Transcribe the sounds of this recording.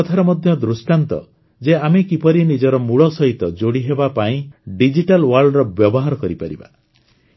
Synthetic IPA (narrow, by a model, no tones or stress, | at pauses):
ɔt̪ʰaɾɔmɔd̪ʱjɔd̪ɾusʈant̪ɔ̰ | d͡ʒeamekipɔɾinid͡ʒɔɾɔmuɭɔsɔɦit̪ɔd͡ʒoɽiɦebapaĩɖid͡ʒiʈalwaɾɖɾɔbjɔbɔɦaɾɔkɔɾipaɾḭba̰